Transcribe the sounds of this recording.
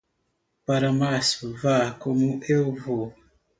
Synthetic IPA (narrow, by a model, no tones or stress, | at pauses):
paɾamasvakomuʔevo